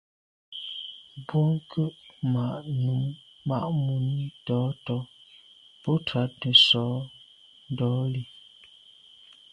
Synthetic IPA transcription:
bwɔ˦ŋ˦kə˦ʔma˨ʔnu˨˦mː | a̰˨ʔmu˨ni˦tɔː˨˦tɔ˨˦ | pɔ˦twa˨˦tə˨sɔː˨˦ | n˦dɔː˨˦li˨

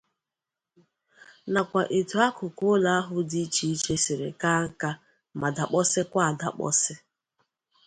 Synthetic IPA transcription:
na˨kʷa˨ʔe˨tu˨a˦kʊ˨kʊ˦la˦a˦ɦʊ˦di˦t͡ʃi˦i˦t͡ʃe˦sɪ˨ɾḛ˨ka˦ŋ̩˦ka˦ | ma˨da˨k͡pɔ˦sɪ˦kʷa˦˨da̰˨k͡pɔ̰˦sɪ˦

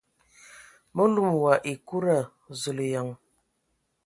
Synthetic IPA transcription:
mə˦lu˨m˨wa˨ʔi˨ku˦ɾa˨ | zu˨lja˨ŋ

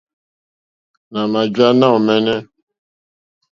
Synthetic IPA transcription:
na˨ma˨d͡ʒa˦na˦o˨me˦ne˦

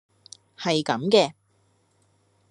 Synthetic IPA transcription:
hɐ˨jkɐ˨˧˥mkɛː˧

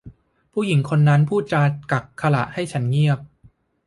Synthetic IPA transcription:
pʰuː˥˩ji˨˩˦ŋkʰo˧nːa˦˥npʰuː˥˩t̪̚t͡ɕaː˧ka˨˩kʰːa˧la̰˨˩ʔha˥˩jt͡ɕʰa˦˥nŋi˥˩əp̚

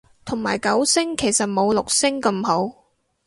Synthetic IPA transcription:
t̪ʰʊ˨˩ŋmaː˨˩jkɐ˨˥wsɪ˥ŋkʰe˨˩jsɐ˨t̚mo˨˧wlʊ˨k̚sɪ˥ŋkɐ˧mho˨˥w

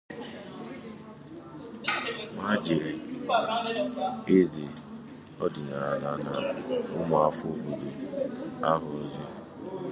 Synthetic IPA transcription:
ma˦d͡ʒe˨ɾe˨˦ | e˦zi˨ | ɔ˦dɪ˨na˨a˨na˦na˦ʊ˦ma˨a˦fo˦˨bo˨do˨a˦ɦʊ˨˦zi˦

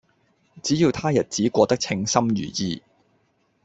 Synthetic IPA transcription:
t͡siː˨˥jiː˨˧wt̪ʰaː˥jɐ˨t̚t͡siː˨˥kʷɔː˧t̪ɐ˥k̚t͡sʰɪ˧ŋsɐ˥mjy̰ː˨˩jḭː˧

